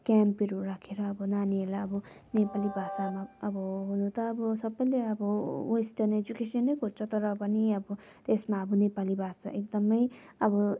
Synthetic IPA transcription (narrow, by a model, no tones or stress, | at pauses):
kampiɾuɾakʰeɾʌːbʌnaniɦelaʌbʌnepalibʱasamaʌbʌɦunũt̪ʌːbʌsʌbʌjleʌbʌwesʈʌned͡ʒukesʌnːʌjkʰot͡sʰot̪ʌɾʌpʌniʌbʌ | t̪esmaʌbʌnepalibʱasa̰ʔek̚d̪ʌmʌj | ʌbʌ